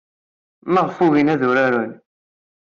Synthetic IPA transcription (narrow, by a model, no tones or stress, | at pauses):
məʁfuvinæðʊɾaɾun